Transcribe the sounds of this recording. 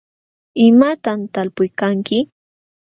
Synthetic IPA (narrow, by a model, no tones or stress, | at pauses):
ɪmat̪amt̪alpʊjkaŋkɪ